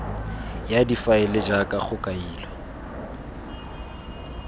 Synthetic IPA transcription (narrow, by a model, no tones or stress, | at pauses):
jadifaɪlɪd͡ʒakʼaχʊkʼaiːlɔ